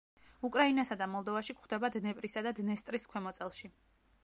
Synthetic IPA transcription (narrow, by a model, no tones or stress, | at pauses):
ukʼɾainasad̪amɔlˠd̪ɔvaʃikχd̪ɛbad̪nɛpʼɾisad̪ad̪nɛst̪ʼɾiskʰwɛmɔt̪sʼɛlˠʃi